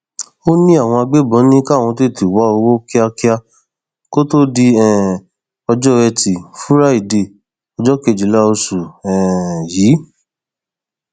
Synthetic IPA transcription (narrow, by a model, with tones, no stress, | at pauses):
o˦nĩ˦a˦˨w̃ɔ̃˧a˧ɡ͡be˦bɔ̃˨˦nĩ˦ka˦˨w̃ɔ̃˧te˦˨ti˨wa˨˦o˧wo˦ki˦a˧ki˦a˧ | ko˦to˦di˧ɛ˨ | ɔ˧d͡ʒɔ˦ɛ˧ti˨fu˦ɾa˦i˦˨de˧˨ | ɔ˧d͡ʒɔ˦ke˨d͡ʒi˨la˦o˧su˨ɛ˨jiː˨˦